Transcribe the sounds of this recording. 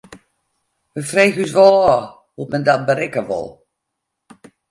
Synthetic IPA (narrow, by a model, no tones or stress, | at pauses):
ʋəfrejɣysʋɔlˠɔ | hutmɛndat̚bəɾɪkəʋɔ̰lˠ